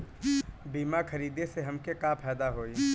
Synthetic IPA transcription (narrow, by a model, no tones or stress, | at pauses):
biːmakʰɐɾiːd̪eseɦɐmkekapʰɛːd̪aɦoːi